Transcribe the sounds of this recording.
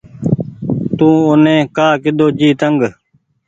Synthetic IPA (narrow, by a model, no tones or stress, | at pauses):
t̪ũːʊnẽːkaːkɪd̪oːd͡ʒiːt̪əŋɡ